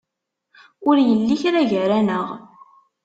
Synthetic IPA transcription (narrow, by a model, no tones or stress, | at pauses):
ʊɾjəlːiçɾæʝəɾænəʁ